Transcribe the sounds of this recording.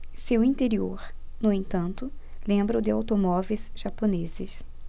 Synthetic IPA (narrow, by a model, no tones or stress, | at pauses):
sewĩnt̪eɾioɾ | nʊẽñt̪ɐ̃nt̪ʊlẽmbɾɐʊd̪ɪawt̪omɔvejz̥ʒ̥aponezɪs